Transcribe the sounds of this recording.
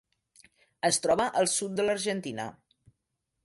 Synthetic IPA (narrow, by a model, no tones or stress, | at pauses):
əst̪ɾɔβəʔəlˠsut̪̚d̪ələɾʒənt̪inə̰